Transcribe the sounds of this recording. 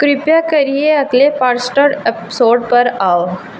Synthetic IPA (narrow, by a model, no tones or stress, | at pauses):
kɾipjakəɾijeat̪lepaɾsʈəɾepsoɾɖpəɾaw